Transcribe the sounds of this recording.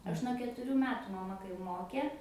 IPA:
ˈɐʃ nuɔ kʲɛtʊˈrʲuː ˈmʲæːtʊ mɐˈmɐ kɐɪ ˈmoːkʲeː

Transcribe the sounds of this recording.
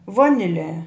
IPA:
ˈʋoːnʲɪˌlʲɛ

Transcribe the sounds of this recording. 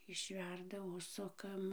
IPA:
ɪʃʲˈʋʲɛrdɐ ˈʊʃsʊkɐm

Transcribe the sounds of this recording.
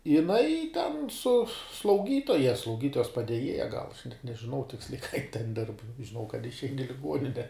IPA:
jɪˈnɐɪ tʲɛn sʊ slˠɐʊˈɡʲiːtoːjɛ slˠɐʊˈɡʲiːtoːjɛs pɐdʲɛˈjeːjɛ ɡɐlˠ nʲɛʒʲɪˈnɐʊ ˈtʲɪksʲlʲɛɪ kɑː jɪn tʲɛn dʲɪrp ʒʲɪˈnɐʊ kɐt ɪʃʲˈɛɪn ɪ lʲɪˈɡuɔnʲɪnʲɛ

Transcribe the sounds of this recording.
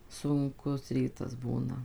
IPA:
sʊŋˈkʊs ˈrʲiːtɐs ˈbuːnɐ

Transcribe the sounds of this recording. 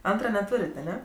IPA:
ˈɐntrɐ nʲɛˈtuːrʲeːtʲ ɐˈnʲɛ

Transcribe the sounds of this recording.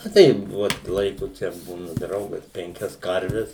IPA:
ɐ ˈtɐɪ ˈʋoːt ˈlˠɐɪkʊ ˈt͡ʃʲɛ ˈbuːnɐ ˈdrɐʊɡɐs pʲɛŋʲˈkʲɛs ˈkɐrʲʋʲɛs

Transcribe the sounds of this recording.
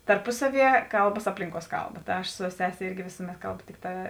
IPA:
tɐrˈpʊsɐˌʋʲiɛ ˈkɐlˠbɐs ˈɑːpʲlʲɪŋˌkuɔs ˈkɐlˠˌbɐ tɐ ˈɐʃ sʊ ˈsʲæːsʲɛ ˈɪrʲɡʲɪ ˈʋʲɪsʊmʲɛt ˈkɐlˠbʊ ˈtʲɪkˌtɑː

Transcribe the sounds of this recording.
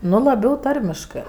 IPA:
ˈnʊ lˠɐˈbʲɛʊ ˈtɐrʲmʲɪʃkɜ

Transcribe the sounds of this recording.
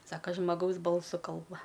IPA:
ˈsɑːkɐ ʒmɐˈɡɐʊs ˈbɐlˠsʊ ˈkɐlˠbɐ

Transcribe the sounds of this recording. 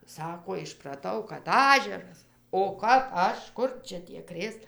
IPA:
ˈsɑːkoː ɪʃprɐˈtɐʊ kɐt ˈɑːʒʲɛrɐs oː kɐp ˈɐʃ ˈkʊr ˈt͡ʃʲɛ tʲiɛ ˈkrʲeːs

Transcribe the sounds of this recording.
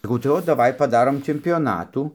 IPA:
sɐˈkɐʊ tɐɪ ˈoːt dɐˈʋɐɪ pɐˈdɑːroːm t͡ʃʲɛmʲpʲoːˈnɑːtuː

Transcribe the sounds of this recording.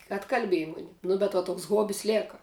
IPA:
ɐtkɐlʲˈbʲeːjɪ ˈmʊnʲɪ ˈnʊ bʲɛt ʋɐ ˈtoːks ˈɣoːbʲɪs ˈlʲeːkɐ

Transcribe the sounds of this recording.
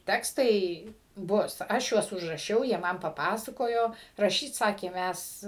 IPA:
ˈtʲæːkstɐɪ ˈbʊs ˈɐʃ juɔs ʊʒrɐˈʃʲɛʊ jiɛ ˈmɐn pɐˈpɑːsɐkoːjoː rɐˈʃʲiːt ˈsɑːkʲeː ˈmʲæs

